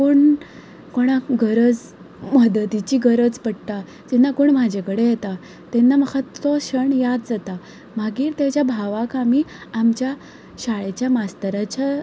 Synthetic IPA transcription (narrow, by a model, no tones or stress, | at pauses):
koɳ | koɽ̃aɡəɾəd͡z | məd̪ət̪it͡ɕiːɡəɾəd͡zpəɽt̪a | d͡ʑɛnːakoːɳm̤ad͡ʑʱekəɽejet̪a | t̪ɛnːaməkʰət̪ʋɔɕəɳjad̪̚d͡zat̪a | maɡiːɾt̪jat͡ɕjabʱaʋakamiamt͡ɕja | ɕaɭet͡ɕjamast̪əɾat͡ɕa